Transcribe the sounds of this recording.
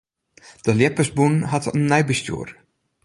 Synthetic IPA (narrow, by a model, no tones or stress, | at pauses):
d̥əljɪpəsbunɦatʰənːɛjbəstjṵːr